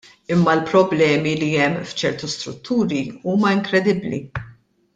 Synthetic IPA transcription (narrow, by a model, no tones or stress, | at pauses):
ɪmːɐlpɾɔblɛːmiliɛmːft͡ʃɛɾt̪ust̪ɾʊ̰t̪ːuːɾiuːmɐɪŋkɾɛd̪ɪbːlḭ